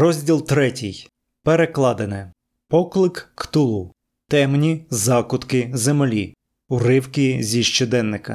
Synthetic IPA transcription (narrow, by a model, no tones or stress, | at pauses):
rɔzʲdʲilˠt̪ɾɛtʲij | peɾeklˠɑd̪enɛ | pɔklˠɪkkt̪ʊlˠu | t̪ɛmnʲizɑkʊt̪kɪzemelʲi | ʊɾɪwkizʲiʃt͡ʃɔd̪ɛnːɪkɐ̰